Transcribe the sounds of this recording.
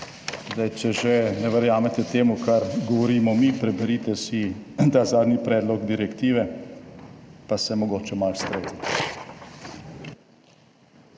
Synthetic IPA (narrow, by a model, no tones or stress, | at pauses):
zd̪ajt͡ʃɛʒɛnɛʋəɾjaːmɛt̪ɛt̪eːmukʰaɾɡɔʋɔɾiːmɔmipɾɛbɛɾiːt̪ɛsit̪azaːd̪nipɾɛːd̪lɔɡd̪iɾɛkt̪iːʋɛ | pasɛmɔɡoːt͡ʃɛmalst̪ɾezɛɛ